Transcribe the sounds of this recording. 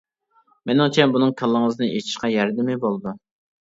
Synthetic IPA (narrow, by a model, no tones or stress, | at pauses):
menɪŋt͡ʃʰɛnbunɨŋkʰəlˠːəŋəzɨnɨet͡ʃʰi̥ʃqɑjɛɾd̪ɪmɪbolˠɨd̪u